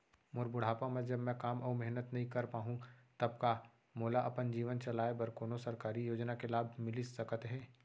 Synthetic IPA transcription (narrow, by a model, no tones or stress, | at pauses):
mʊɾbʊɽ̤aːpãmɛ̃d͡ʒɐbmɛ̃kaːmɐːmɛɦnət̪nɐɦĩkɐɾpaːɦũt̪ɐb̚ka | moːlaʔɐpənd͡ʒiːʋənt͡ʃɐlaːebɐɾkoːnosɐɾkaːɾijoːd͡ʒnakelaːbʱmɪlisɐkət̪ɦɛː